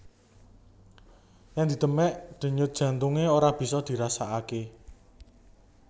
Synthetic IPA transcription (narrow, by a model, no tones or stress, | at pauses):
jaŋd̪i̤d̪̥ə̤mɛʔd̪̥ə̤ɲʊt̪̚d̥ʒ̥ä̤nt̪uŋeoɾab̥i̤sɔd̪̥i̤ɾasaake